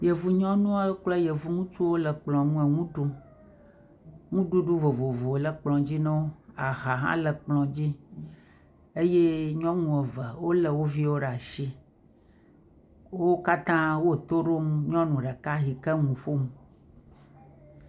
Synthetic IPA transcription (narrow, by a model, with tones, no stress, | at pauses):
je˨vu˨ɲɔ̃˦nũ˦a˦k͡plɛ˦je˨vu˦ŋũ˦t͡ʃu˦wo˦lə˨k͡plɔ̃˨nũ˦ɛ˨ŋũ˦ɖu˦ | ŋũ˦ɖu˦ɖu˦vo˨vo˨vo˨lə˦k͡plɔ̃˨d͡ʑi˦nɛ̃˦wo˦a˨ɦa˨ɦã̰˦lə˨k͡plɔ̃˨d͡ʑi˦ | e˦je˦ɲɔ̃˦ŋũ˨ɛ˨və˨wo˦lə˨wo˦vi˦wo˦ɖa˨ʃi˦ | wo˦ka˦t̪ã˦wo˦˨t̪o˦ɖo˦m˦ɲɔ̃˦nũ˨ɖɛ˨ka˦ɦi˨kə˦ŋũ˨ɸo˦mũ˨